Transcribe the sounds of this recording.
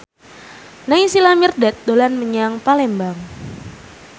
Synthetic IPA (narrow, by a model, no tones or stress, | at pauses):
naisilamirdɛt̪̚dolanməɲaŋpalɛmbaŋ